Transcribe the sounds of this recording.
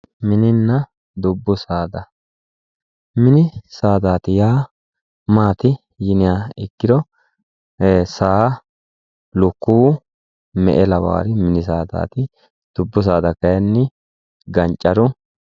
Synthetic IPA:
mɪnɪnːɐ | d̪ʊbːʊsaːd̪ɐ | mɪnɪsaːd̪aːt̪ɪjaː | maːt̪ɪ | jɪnɪjaːɪkːɪd̪ɔ | saː | lʊkːuː | mɛ̰ʔɛlɐwa̰ːɾɪmɪnɪs̬aːd̪a̰ːt̪ɪ | d̪̥ʊbːʊs̬aːd̪ɐkɐjɐnːɪ | ɡɐnt͡ʃʼːɐɾʊ

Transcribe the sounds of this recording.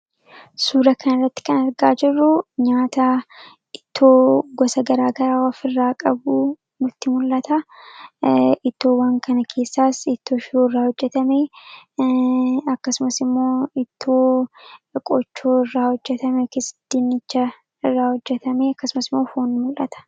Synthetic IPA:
suːɾɐkɐnɪrːɐt̪ːɪ̥kɐnɐɾɡaːd͡ʒɪrːʊɲaːt̪ɐ | ɪt̪ːoːɡɔsɐɡɐɾaːɡɐɾaːwafɪrːaːkʼɐbu | nʊt̪ːɪmʊlʔːɐt̪ɐ | ɪt̪ːo̞ːwɐŋkɐnɐkʰe̞ːsːaːsɪt̪ːo̞ːʃɪoːɪrːaːhɔd͡ʒːɛt̪ɐme | ɐkːɐsʊmɐsɪmːo̞ːɪt̪ʰːoː | kʼɔt͡ʃːo̞ːɪrːaːhɔd͡ʒːɛt̪ɐmɛkesd̪̥ɪnːɪt͡ʃːɐ | ɪrːaːhɔd͡ʒːɛt̪ɐmeɐkːɐsʊmɐsɪmːo̞ːfoːnmʊlʔɐt̪ɐ̥

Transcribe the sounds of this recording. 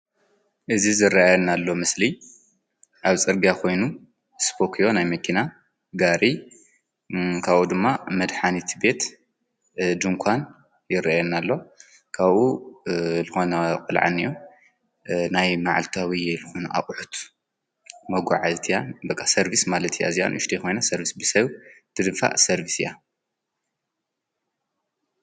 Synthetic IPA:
ʔɨzizɨɾːaajnalːo̞mɨsli | ʔaβt͡sʼɨɾɡakʰo̞jnu | spʰo̞kʰijo̞najmɐkʰina | ɡaɾi | kʰaβʔud̪ɨmːamɐd̪ħanit̪ʰbe̞t̪ | d̪ɨŋkʷʰan | jɪɾaajɛnːalːo̞ | kʰaβʔu | lɨxo̞nɐkʼɨlʕa̰nːiju | najmaʕalt̪ʰawiɛlɨxonʔa̰χʼħut̪ʰ | mɐɡʷaʕazt̪ʰjanbɐkʼːasɐɾbismalɐt̪ʰija̰zija̰nʔʊʃt̪ʰikʰo̞jnasɐɾbisbɨsɐβt̪ʰɨd̪ɨfa̰ʔsɐɾbisija̰

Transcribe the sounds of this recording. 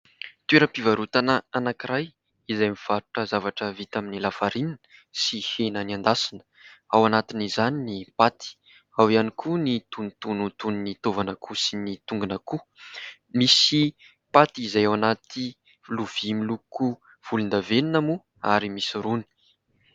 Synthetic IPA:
t̪ueɾəpivaɾut̪anəanakiɾaj | izajmiv̥aɾuʈ͡ʂəzavaʈ͡ʂəvit̪aminilafaɾininəsihenənand̪asinə̥awanat̪inizaninipat̪i̥ | awianikʰunit̪unt̪unut̪uninit̪ovanəkʰusinit̪uŋɡunəku | misi | pat̪izajawanat̪i | luv̥imiluku | v̥ulund̪aveninamu | aɾimisuɾuni̥

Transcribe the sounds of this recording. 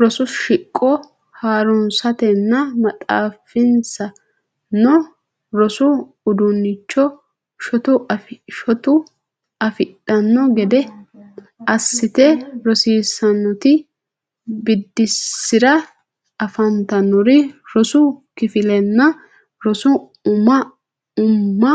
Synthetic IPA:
ɾɔsʊʃɪkʼːɔ | haːɾʊnsɐt̪ɛnːɐmɐtʼa̰ːfɪnsɐ | nɔ | ɾɔsʊː | d̪ʊnːɪt͡ʃːɔ | ʃɔt̪ʊɐʃɔt̪ʊ | ɐfɪtːɐnːɔɡɛd̪ɛ | ɐsːɪt̪ɛɾɔsiːsɐnːɔt̪ɪ | bɪd̪ːɪsːɪɾɐ | ɐfɐnt̪ɐnːɔɾɪɾɔsʊkɪfɪlɛnːɐ | ɾɔsʊ | ʊmɐ | ʊmːɐ

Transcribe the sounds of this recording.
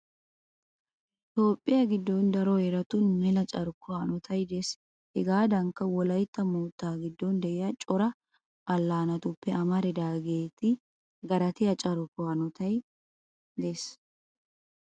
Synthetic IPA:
t̪o̞ːpʼːɪjɐɡɪd̪ːɔnd̪ɐɾɔɛɾɐt̪ʊnmɛlɐt͡ʃʼɐɾʊkːʊanɔt̪ʰɐjd̪es | hɛɡaːd̪ɐŋkːɐwɔlɐjt̪ːɐmoːt̪ːaːɡɪd̪ːɔnd̪ɛʔɛjɐt͡ʃʼɔɾɐ | ʔɐlːaːnɐt̪ʊpːɛɐmɐɾɛd̪aːɡe̞ːt̪ɪ | ɡɐɾɐt̪ɪjɐt͡ʃʼɐɾʊkʊanɔt̪ɐj | d̪es

